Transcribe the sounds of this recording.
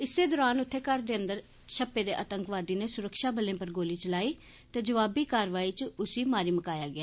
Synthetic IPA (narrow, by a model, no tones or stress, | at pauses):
ɪseːd̪ɔːɾaːnʊt̪ʰːeːkəɾd̪eːənd̪əɾ | ʃʰəpːeːd̪eːʔət̪əŋkʋaːd̪iːneːsʊɾəkʃaːbəlẽːpəɾɡoːliːt͡ʃəlaːiː | t̪eːd͡ʒəʋaːbiːkaːɾʋaːiːt͡ʃʊsiːmaːɾiːməkaːjaːɡɪaː